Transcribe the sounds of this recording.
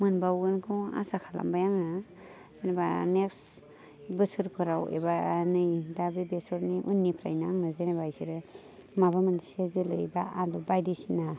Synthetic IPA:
mɯnbawɡɯnkʰɯa̰sakʰala̰mbajaŋa | zeneba̰neks | bɯsɯɾkʰɯɾawḛbanɯjdabibesɔɾniʔṵnːipʰɾa̰jnaŋnɯzenebajsiɾɯ | mabamansezilɯ̰jbaʔadubajdisina

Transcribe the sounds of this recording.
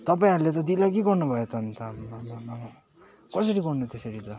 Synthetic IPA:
t̪ʌpaĩɦʌɾulet̪̬ʌd̪ilak̬eɡʌrnubʱʌjet̪ʌnt̪ʰʌnnʌnʌ | kʌsʌɾiɡʌrnut̪esʌɾit̪ʌ

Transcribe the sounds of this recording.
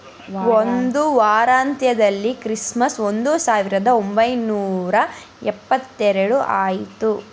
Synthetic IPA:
ond̪uʋaːɾaːnt̪jɐd̪ɐlːikɾismɐso̞nd̪usaːʋiɾɐd̪ɐombɐjnuːɾɐ | ɛpːɐt̪ːɛɾeɽuʔaːjit̪u

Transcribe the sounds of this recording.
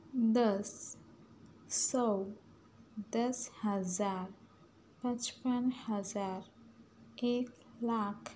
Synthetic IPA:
d̪əs | ɔw | d̪əshəd͡zaɾ | pət͡ʃpənhəd͡zaɾ | ek | lakʰ

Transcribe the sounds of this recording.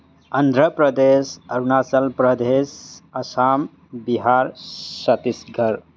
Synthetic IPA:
ənd̪ʱɾəpɾəd̪esəɾunasəlpɾəd̪esəsam | biɦaɾsət̪isɡʱəɾ

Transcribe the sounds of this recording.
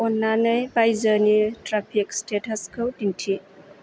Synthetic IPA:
ɔnːanəjbajzənitɾapʰikstetʰɐskʰəwtintʰi

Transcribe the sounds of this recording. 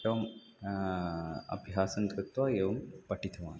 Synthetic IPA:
ɐʋɐm | ɐ̰bʱjaːsɐnt̪ɾɨt̪ʋaːjeːʋɐmpɐʈit̪ʰɐʋaːn

